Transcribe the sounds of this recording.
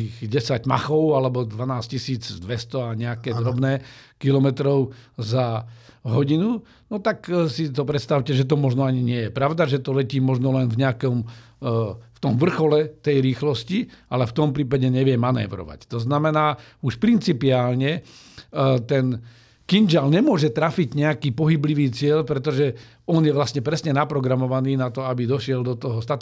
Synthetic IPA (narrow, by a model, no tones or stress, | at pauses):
iːɣɟɛsaɟma̰xɔʊalɛbɔd̪ʋanaːscisiːd͡zd̪ʋɛst̪ɔaɲɛakɛːd̪ɾɔbnɛːkilɔmɛt̪ɾɔʊzaɦɔɟinu | nɔt̪aksit̪ɔpɾɛt̪st̪aʊcɛʒɛt̪ɔmɔʒnɔaɲiɲɪɛjɛpɾaʊd̪aʒɛt̪ɔlɛciːmɔʒnɔlɛnvɲɛakɔm | ft̪ɔmʋr̩xɔlɛt̪ɛjɾiːxlɔsciʔalɛft̪ɔmpɾiːpaɟɛɲɛʋɪɛmanɛ̰ːʋɾɔ̰ʋa̰ct̪ɔznamɛnaːuʃpɾint͡sipiaːlɲɛ | t̪ɛn | kind͡ʒalɲɛmʊɔʒɛt̪ɾafiɟɲɛakiːpɔɦibliʋiːt͡sɪɛlpɾɛt̪ɔʒɛ | ɔnjɛʋlasɲɛpɾɛsɲɛnapɾɔɡɾamɔʋaniːnat̪ɔabid̪ɔʃɪɛld̪ɔt̪ɔɦɔst̪at̪